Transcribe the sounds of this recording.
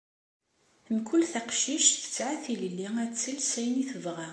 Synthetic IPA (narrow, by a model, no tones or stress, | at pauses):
mkʰʊlθaqʃiʃθə̥t͡sːʕaθiləlːiæt͡sːəlsæjniθəvʁæ